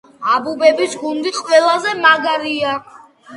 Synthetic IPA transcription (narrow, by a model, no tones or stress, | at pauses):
abubɛbisɡund̪iqʼwɛlˠazɛmaɡaɾia